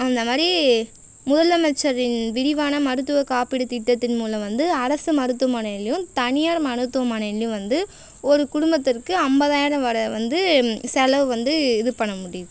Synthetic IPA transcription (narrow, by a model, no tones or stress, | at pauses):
ɐnd̪ɐmaːd̪ɾi | mʊðɐlɐmɛt͡ʃːɐɾɪnʋɪɾɪʋaːnɐmɐɾɯt̪ːɯʋɐkaːpɪɽɯt̪ɪʈːɐt̪ːɪnmuːlɐ̃ʋɐnd̪ɯɐɾɐsɯmɐɾɯt̪ːɯʋɐmaːnɐɪlːɪjɯmt̪ɐnɪjaːɾmɐnɯt̪ːɯʋɐmaːnɐɪlːɪjɯ̃mʋɐnd̪ɯ | ɔɾɯkʊɽʊmbɐt̪ːɪrkɯɐmbɐðaːjɾɐ̃ʋɐɾɐʋɐnd̪ɯsɛlɐʋɯʋɐnd̪ɯɪðɯpɐɳːɐmʊɽɪjɐðɯ